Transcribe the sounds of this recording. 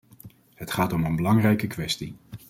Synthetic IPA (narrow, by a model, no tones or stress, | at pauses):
ɦətχaːtɔmənbəlɑŋrɛjkəkʋɛsti